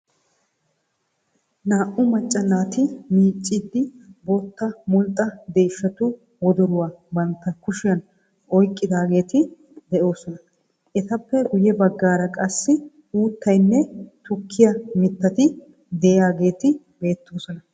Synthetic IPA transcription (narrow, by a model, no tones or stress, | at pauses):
naːʔʊmɐt͡ʃʼːɐnːaːt̪ɪmiːt͡ʃʼːɪd̪ːɪboːt̪ːɐmʊlt̪ʼːɐd̪eːʃːɐt̪ʊ | wɔd̪ɔɾʊwaːbɐnt̪ːɐkʊʃɪjɐn | ɔjkʼːɪd̪aːɡe̞ːt̪ɪ | d̪ɛʔo̞ːsɔnɐ | ʔɛt̪ɐpːɛɡʊjɛbɐɡːaːɾɐkʼɐsːɪ | uːt̪ːɐjnːɛt̪ʊkʰːɪjɐmɪt̪ːɐt̪ɪ | d̪ɛjaːɡe̞ːt̪ɪ | be̞ːt̪ːoːsɔnɐ